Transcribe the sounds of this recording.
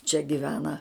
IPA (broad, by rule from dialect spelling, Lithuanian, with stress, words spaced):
t͡ʃʲɛ ɡʲɪˈʋʲæːnɐ